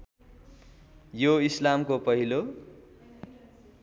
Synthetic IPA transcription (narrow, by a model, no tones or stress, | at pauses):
joislamkopʌɦilo